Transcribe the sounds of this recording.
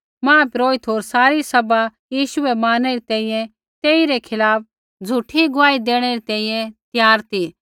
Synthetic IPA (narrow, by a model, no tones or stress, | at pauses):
mãːpɪɾoːit̪ʰɦoːɾsaːɾisɐba | jiːʃʊɛmaːnɛɾit̪ɛ̃ːĩjɛ̃ | t̪eːiɾɛkʰɪlaːp̚ | d͡zʱuʈʰiɡʊaːid̪eːɽ̃ɛɾit̪ɛ̃ːĩjɛ̃t̪jaːɾt̪iː